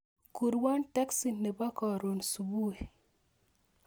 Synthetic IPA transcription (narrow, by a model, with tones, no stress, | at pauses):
ku˨ɾwa˦nta˦ksi˨nːe˨ba˦kɔ˨ɾo˨nsu˨bu˦e˨